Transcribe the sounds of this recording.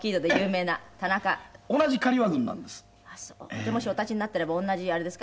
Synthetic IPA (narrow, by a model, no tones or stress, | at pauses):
kʲiːd̪o̞d̪e̞jɯ̟ːme̞ːnat̪anakaonaʑikaɾʲiβaɡɯ̟̃nːã̰nd̪e̞sɨ̥ | asoːd̪emo̞ɕio̞t̪at͡ɕiɲinat̪ːeɾe̞baõ̞nːaʑiaɾe̞d̪e̞sɨ̥k